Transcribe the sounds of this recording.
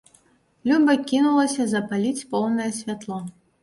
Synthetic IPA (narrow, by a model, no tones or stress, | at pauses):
lʲubɐkʲinulˠɐsʲɐzɐpalʲit͡sʲpɔwnɐjɛsʲvʲat̪lˠɔ